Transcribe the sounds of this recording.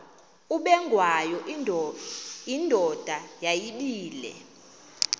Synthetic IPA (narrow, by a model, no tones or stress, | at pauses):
uɓɛŋɡʱwajɔ | indʱɔd̥ʱajajiɓiːlɛ̰